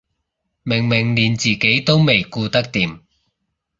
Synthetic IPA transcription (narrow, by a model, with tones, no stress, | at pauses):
mɪ˨˩ŋmɪ˨˩ŋliː˨˩nt͡siː˨˩ke˨˥jt̪o˥wme˨jkuː˧t̪ɐ˥k̚t̪iː˨˧m